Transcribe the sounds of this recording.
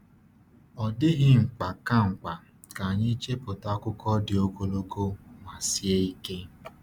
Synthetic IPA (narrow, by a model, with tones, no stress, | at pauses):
ɔ˨dɪ˦ɣɪ˦ŋ͡m̩˨k͡pa˨ka˦ŋ͡m̩˨k͡pa˨ | ka˨ɲɪ˦t͡ʃe˦pʊ˨ta˦kʊ˦kɔ˦dɪ˨o˦ko˦lo˦ko˦ŋa˨si˦e˦i˦ke˦